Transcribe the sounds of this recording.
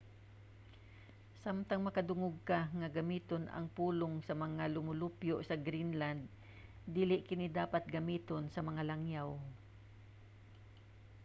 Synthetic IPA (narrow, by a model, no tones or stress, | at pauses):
samt̪aŋmɐkɐd̪ʊŋʊɡ̚kaŋɐɡɐmiːt̪onɐ̰ŋpuːloŋsɐmɐŋalʊmʊlupjoʔsɐɡɾinland̪̚ː | iːlɪʔkɪnid̪aːpat̪̚ɡɐmiːt̪onsɐmɐŋalaŋjaw